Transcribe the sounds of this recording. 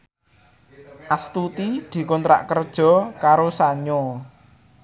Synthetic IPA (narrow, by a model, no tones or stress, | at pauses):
ʔast̪ut̪id̪̥i̤kɔnt̪ɾa̰ʔkərd̥ʒ̥ɔ̤kaɾosaɲo